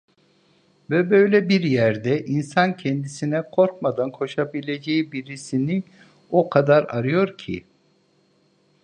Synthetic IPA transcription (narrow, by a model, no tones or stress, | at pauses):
vɛbø̞jlʲɛbiɾjæɾd̪ɛʔinsancʰɛnd̪isinɛkʰo̞ɾkmad̪ankʰo̞ʃabilʲed͡ʒejibiɾisini | okʰad̪aɾaɾɯjo̞ɾcʰḭ